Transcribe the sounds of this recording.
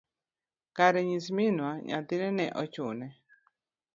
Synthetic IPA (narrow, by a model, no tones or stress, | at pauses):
kaɾeɲĩs̬mĩnũãɲã̰t̪inɛ̃nḛ̃ʔot͡ʃunẽ